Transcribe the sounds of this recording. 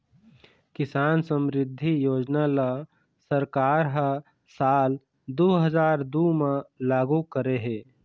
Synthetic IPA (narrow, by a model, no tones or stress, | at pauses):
kɪsaːnsə̃mɾɪd̪ʱːijoːd͡ʒnala | səɾkaːɾɦa | saːl | d̪oːɦəzaːɾd̪uːmãlaːɡukəɾeɦɛ̃ː